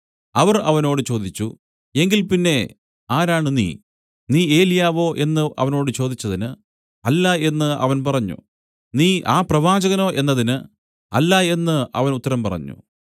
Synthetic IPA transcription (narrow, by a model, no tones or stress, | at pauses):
ɐʋɐrɐʋɐno̞ːɽɨt͡ɕo̞ːd̪it͡ɕːṵ | e̞ŋɡilpinːe̞ | aːɾaːɳɨnḭː | niːe̞ːlijaːʋo̞ːʔe̞nːɨʔɐ̰ʋɐno̞ːɽɨt͡ɕo̞ːd̪it͡ɕːɐðinɨ | ɐlːae̞nːɨɐ̰ʋɐnpɐrɐɲːṵ | niːʔaːprɐʋaːd͡ʑɐɣɐno̞ːʔe̞nːɐðinɨ | ɐlːɐe̞nːɨʔɐ̰ʋɐnut̪ːɐɾɐmpɐrɐ̰ɲːṵ